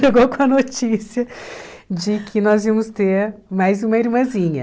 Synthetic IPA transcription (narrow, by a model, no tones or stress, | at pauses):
eɡowkõɐnot͡ʃisiɐ | d͡ʒɪkʰɪnɔziɐmʊst̪eɾmajzũmɐiɾmɐ̃zĩɲɐ